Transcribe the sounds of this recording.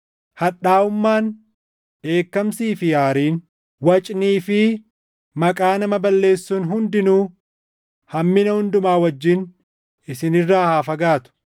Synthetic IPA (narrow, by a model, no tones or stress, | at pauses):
hɐᶑːaːʊmːaːn | ᶑe̞ːkːɐmsiːfɪjaːɾiːn | wɐt͡ʃʼniːfɪ | mɐkʼaːnɐmɐbɐlːe̞ːsːuːnɦʊnd̪ɪnuː | hɐmːɪnɐhʊnd̪ʊmaːwɐd͡ʒːɪn | ɪsɪnɪrːaːhaːfɐɡaːt̪ʊ̥